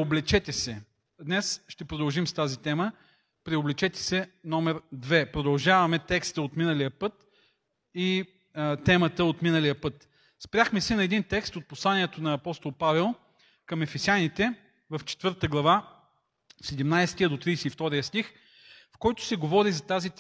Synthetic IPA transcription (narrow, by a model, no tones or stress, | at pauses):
oblɛt͡ʃɛt̪ɛsɛ | d̪nɛsʃt̪ɛpɾod̪əlˠʒimst̪azit̪ɛmə | pɾioblɛt͡ʃɛt̪ɛ̥sɛnɔmɛɾd̪vɛpɾod̪ɐlˠʒavɐmɛt̪ɛkst̪əot̪minəlijəpɤt̪ | i | t̪ɛmət̪əot̪minəlijəpɤt̪ | spɾʲjaxmɛsɛnɐɛd̪int̪ɛkst̪ot̪̚poslˠaniɛt̪onɐːpɔst̪olˠpavɛlˠ | kɐmɛfɛsjanit̪ɛ | vɐft͡ʃɛ̥t̪vɤɾt̪əɡlˠɐva | sɛd̪ɛmnajst̪ijəd̪ot̪ɾisɛift̪ɔɾijəst̪ix | fkɔjt̪ʊ̥sɛɡovɔɾizɐt̪azi